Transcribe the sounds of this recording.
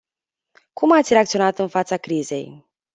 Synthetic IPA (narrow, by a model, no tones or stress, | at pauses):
kʰumat̪sʲɾeakt̪sio̞nat̪ɨnfat̪sakɾize̞̰j